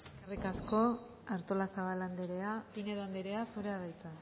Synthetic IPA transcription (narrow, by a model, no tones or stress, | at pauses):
skarikasko̞ | aɾt̪o̞lasaβaland̪eɾe̞apine̞ðoand̪eɾe̞asuɾe̞aðajt͡s̪a